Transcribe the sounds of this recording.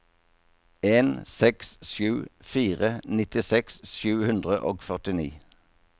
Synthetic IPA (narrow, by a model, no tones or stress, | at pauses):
eːnsɛksʃjʉːfiːʁənɪt̪ɪsɛksʃjʉːhʉnd̪ʁəʔo̰ːɡfœʁt̪ɪnḭː